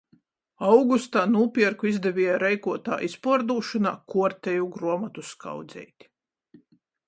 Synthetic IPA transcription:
awɡust̪aːnuːpʲiɛɾkuizd̪ɛvʲiɛjaɾɛjkuɔt̪a̰ːʔispuɔɾd̪uːʃɔna̰ːkuɔɾt̪ɛjuɡɾuɔmat̪uska̰wd̪zɛ̰jt̪ʲi̥

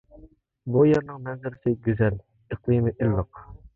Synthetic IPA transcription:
bujeɾnɨŋmɛnzɪɾɪsɪɡʲyzɛl | əqlˠɨmɪʔilːəq

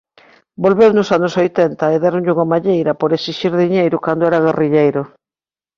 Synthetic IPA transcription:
bolβewnʊsanʊsojt̪ɛnt̪ɐeðaɾoɲʎɪuŋamaʎejɾɐpoɾesiʃiɾðiɲejɾʊkand̪oɛɾɐɣ̞eriʎejɾʊ

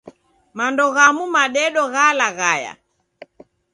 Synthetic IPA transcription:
mandɔɣamumaɗɛɗɔɣalaɣaja̰

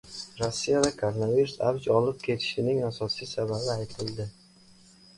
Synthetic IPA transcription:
ɾosːijavakʰoɾonaviɾusa̰bd͡ʒɒlɪp̚kʲʰe̞t̪ʰɪ̥ʃɪnɪŋasɒsijsababɪajt̪ʰɪld̪ɪ

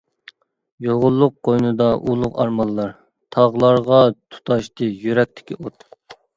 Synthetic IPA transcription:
joʁʊlˠːʊqːojnɨd̪ɑʔulˠʊqɑɾmɑlˠːɑɾ | t̪ʰɑʁlˠɑɾʁɑt̪ʰu̥t̪ʰɑʃt̪ɨjyɾɛk̚ʲt̪ʰɪ̥kʲiʔot̪

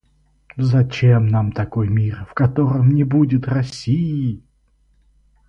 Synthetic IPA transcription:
zɐt͡ɕemnamt̪ɐko̞jmʲirfkɐt̪o̞ɾəmnʲɪbudʲɪt̪rɐsʲijɪ

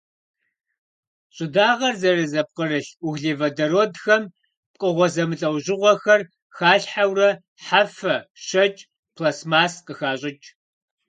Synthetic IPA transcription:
ɕʼɪdaːʁɐrzɐrɨzɐp̚qərɨɬuɣɮeːvɐdɐɾoːdxɐm | p̚qʼəʁʷɔzɐmɨɬʼɐwʑɪʁʷɔxɐr | xaːɬħawrɐ | ħafɐʃɐt͡ʃʼ | pʰlasmaːsqəxaːɕʼɪt͡ʃʼ

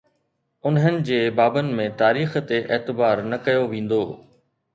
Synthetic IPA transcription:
ʊnɦənɪ̆d͡ʑeːbaːbənɪ̆mẽt̪aːɾiːxt̪eʔeːt̪ɪbaːɾnɐkɐjoʋẽːn̆d̪oː

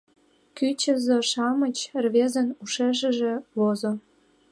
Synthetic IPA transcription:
kyt͡ɕə̆zoʃɑmət͡ɕrβezə̆nuʃeʒə̆ʒĕβozo

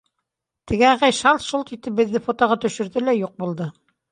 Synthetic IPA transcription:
t̪ɘ̆ɡɘæʁæjʃɑlˠt̪ʃulˠt̪it̪ɘp̚bɘ̆ðːɘfot̪ŏʁɑt̪ɵ̆ʃɘ̆ɾðɘlæjuq̚bulˠd̪ɤ

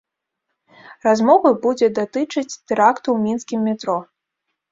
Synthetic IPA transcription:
razmɔvɐbud͡zʲɛd̪at̪ɨt͡ʂɐt͡sʲt̪ɛɾakt̪uwmʲinskʲimːʲɛt̪ɾɔ

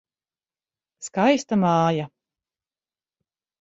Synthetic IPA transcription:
skajst̪amaːja

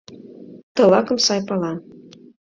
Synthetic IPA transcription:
t̪ɤ̆lɑkə̆msɑjpɑlɑn

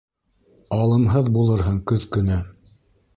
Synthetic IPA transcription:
ɑlˠɤ̆mɦɤðbulˠɤɾɦɤɴkɵðkɵ̆næ

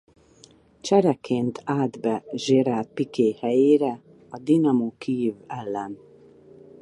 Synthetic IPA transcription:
t͡ʃɛɾɛkʰeːnt̪ʰaːd̪bɛʒeɾaːt̪̚pikeːhɛjeːɾɛ | ɒd̪inɒmokiːvɛlːɛn

